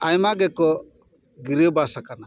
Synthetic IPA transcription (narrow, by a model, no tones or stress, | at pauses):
ajmaɡɛkɔ | ɡiɾiwbasakana